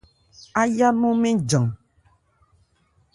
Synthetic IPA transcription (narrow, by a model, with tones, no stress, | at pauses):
a˦ja˦mo˦me˦d͡ʒɔ˨ŋ